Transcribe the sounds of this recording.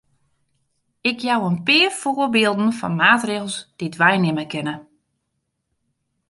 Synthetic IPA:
ɪkjawənpɪːərfoːrbɪːlˠdn̩fɔ̰nmaːtreːɣlˠsd̥itʋɛjnɪməkɪnə

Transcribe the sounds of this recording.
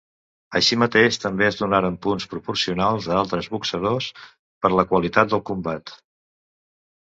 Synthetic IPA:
əʃimət̪eʃt̪əmbeəzðunaɾəmpunspɾupuɾsiunalˠzðalˠt̪ɾəzβuksəð̞os | pəɾləkwəlit̪at̪̚d̪əlˠkumbat̪

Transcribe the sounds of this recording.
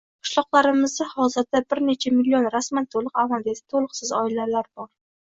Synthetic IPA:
qʰɨ̥ʃlˠɒqlˠaɾɪmɪzd̪ahɒzɪɾd̪abɪɾne̞t͡ʃʰamilːionɾasmant̪ʰolˠɨqavald̪ad̪ɪ̥t̪ʰolˠɨqsɪzɒɪlalaɾbɒɾ

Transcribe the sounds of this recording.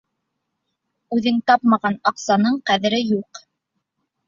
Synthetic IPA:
ʉðɘŋt̪ɑpmɑʁɑnɑqsɑnɤɴqæðɘ̆ɾɘjuq

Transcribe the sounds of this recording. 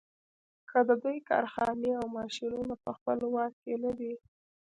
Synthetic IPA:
kʰəd̪əd̪ujkɑ̰ɾxɑneawmɑʃinunapəxpəlwɑk̚kenad̪i

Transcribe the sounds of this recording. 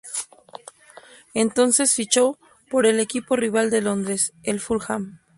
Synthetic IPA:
ent̪o̞nse̞sfit͡ʃo | po̞ɾe̞le̞kipo̞riβ̞ald̪e̞lo̞nd̪ɾe̞selfulxam

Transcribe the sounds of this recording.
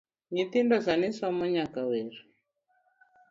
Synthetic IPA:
ɲit̪indɔsaniswamɔɲakawɛɾi

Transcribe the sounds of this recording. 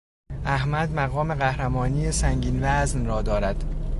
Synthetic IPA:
ʔæhmæd̪mæɣɒːme̞ɣæhɾæmɒːniːjesæŋɡɟiːnvæznrɒːd̪ɒːɾæd̪̥

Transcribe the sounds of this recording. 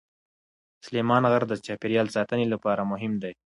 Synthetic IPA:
slemɑnɣaɾd̪ət͡ʃɑpɪɾjɑlsɑt̪ənelapɑɾamʊɦɪmd̪aj

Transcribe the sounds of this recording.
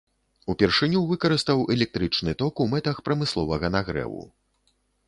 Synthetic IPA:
upʲɛrʂɨnʲuvɨkɐɾɨst̪ɐwʔɛlʲɛk̚t̪ɾɨt͡ʂnɨt̪ɔkumɛt̪ɐxpɾɐmɨslˠɔvɐɣɐnaɣɾɛ̰vṵ

